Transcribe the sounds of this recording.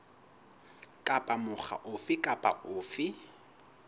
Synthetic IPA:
kʼapʼamʊχa̰ʔʊfɪkʼapʼa̰ʊːfɪ

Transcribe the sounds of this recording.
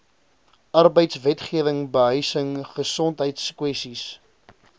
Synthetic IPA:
ɐrbəjtsvɛtχiəvəŋbəɦœɥsəŋχəsɔntɦəjtskwɛstis

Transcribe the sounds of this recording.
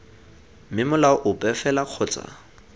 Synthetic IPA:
mɪmʊlaɔʔʊpʼɛfɛlaq͡χʰɔːt͡sʼa̰

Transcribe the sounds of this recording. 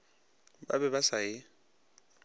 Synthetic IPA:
ba̰bɛbasaɪ

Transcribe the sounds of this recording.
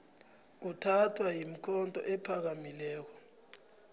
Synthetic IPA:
utʰatʰwajim̩kʰɔntʼɔ̰ʔɛpʰak̬amilɛːk̬ɔ

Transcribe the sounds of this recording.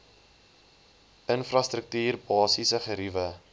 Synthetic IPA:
ʔənfrɐstɾək̚tyːrbɑːsisəχəɾivə

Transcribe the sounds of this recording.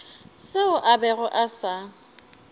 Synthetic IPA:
sɪʊʔabɛɣʊʔasa

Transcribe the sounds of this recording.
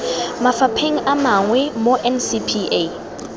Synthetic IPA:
mafapʰeŋ̩ʔamaŋwɛmoʔɛnsipʰie

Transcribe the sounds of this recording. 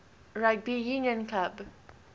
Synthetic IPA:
ɹat̚bijũnjə̃nkʰab

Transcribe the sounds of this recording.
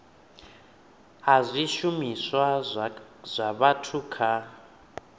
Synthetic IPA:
azʷiʃumiswa | z̥ʷaβatʰukʰa

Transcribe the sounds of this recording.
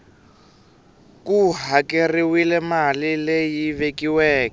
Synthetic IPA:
kuɦakeriwilɛmalilejivekiwɛːkɛ

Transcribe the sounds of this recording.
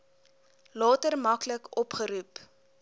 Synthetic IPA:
lɑːtərmɐkləkʔɔpχəɾup

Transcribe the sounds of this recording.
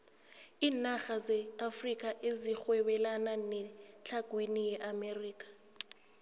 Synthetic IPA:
iːnaɣazɛafrikʼaʔezixwɛɓɛlananɛt͡ɬʰaɡ̥ʱwinijɛʔameriːkʼḁ

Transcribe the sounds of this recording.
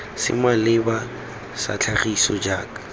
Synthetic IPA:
sɪ̰malɪba | sa̰t͡ɬʰaχisɔd͡ʒaːkḁ

